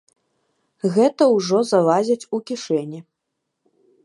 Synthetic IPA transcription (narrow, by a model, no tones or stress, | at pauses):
ɣɛt̪ɐwʐɔzavazʲɐt͡sʲukʲiʂɛnʲi